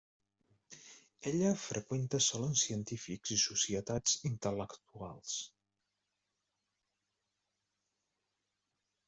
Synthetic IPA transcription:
eʎəfɾʔəkwent̪əsɔlənsiənt̪ifikz̥isusiət̪ad͡zint̪ələkt̪ua̰lˠs

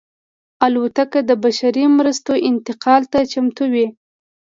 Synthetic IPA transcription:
alot̪akad̪əbaʃaɾimɾəst̪oʔɪnt̪ɪqɑlt̪at͡ʃamt̪uwi

